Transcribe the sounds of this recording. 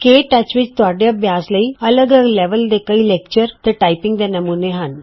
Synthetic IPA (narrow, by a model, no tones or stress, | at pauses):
keːʈɐt͡ʃʋɪt͡ʃt̪ʊaːɖejabjaːsləiːɐləɡləɡlɛːʋəld̪ekɐileːk̚t͡ʃəɾt̪eʈaːɪpɪ̃ŋɡd̪enɐmũːneɦɐn